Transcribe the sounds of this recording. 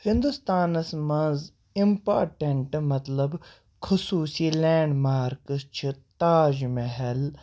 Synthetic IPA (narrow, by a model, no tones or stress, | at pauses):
hɪ̃nd̪ust̪aːnɐsmɐ̃nz | impaːɾʈeɳʈmɐt̪lɐb | kʰʊsuːsilɛːɳɖmaːɾkəst͡ʃʰit̪aːd͡ʒmeɦel